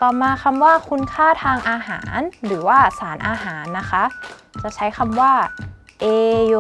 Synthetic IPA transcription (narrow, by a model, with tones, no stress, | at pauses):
kɔː˧˨˩maː˧kʰa˧mwaː˥˩kʰu˧nkʰaː˥˩t̪ʰaː˧ŋʔaː˧ɦa̰ː˩˦nɾɯː˩˦waː˥˩saː˩˦nʔaː˧ɦaː˩˦nːa˦˥kʰa˦˥ | t͡ɕa˨˩t͡ɕʰa˦˥jkʰa˧mwaː˥˩ | ʔeː˧jo˧